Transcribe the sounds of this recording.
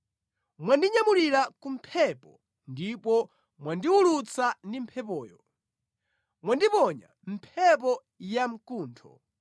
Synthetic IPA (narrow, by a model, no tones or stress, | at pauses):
mwandiɲamuɾiɾakum̩pʰɛpɔ | ndipɔ | mwandiwulut͡sandim̩pʰɛpɔːjɔ | mwandipɔɲa̰ | m̩pʰɛp̬ɔ | jam̩kuːntʰɔ̰